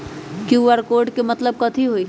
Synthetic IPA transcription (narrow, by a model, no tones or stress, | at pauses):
kiuʋaɾkoːɾɖkemɐt̪ləb̚kət̪ʰiɦoi